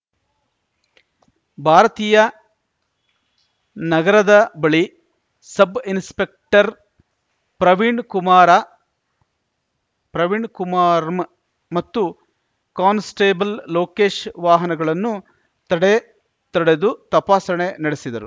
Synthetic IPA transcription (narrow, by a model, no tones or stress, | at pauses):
bʱaːɾɐt̪iːjɐ | nɐɡɐɾɐd̪ɐbɐɭi | sɐbinspe̞k̚ʈɐɾ | pɾɐʋiɳɖkumaːɾɐ | pɾɐʋiɳkumaːɾm | mɐt̪ːu | kaːnsʈeːbɐllo̞ːke̞ːʂʋaːɦɐnɐɡɐɭɐnːu | t̪ɐɽe | t̪ɐɽe̞d̪ut̪ɐpaːsɐɳe̞nɐɽesid̪ɐɾu